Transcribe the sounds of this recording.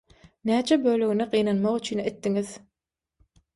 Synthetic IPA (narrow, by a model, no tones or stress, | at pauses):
næːt͡ʃʰebøːløɣineqijːnɑnmɑʁyt͡ʃʰyːnet̪ːiŋið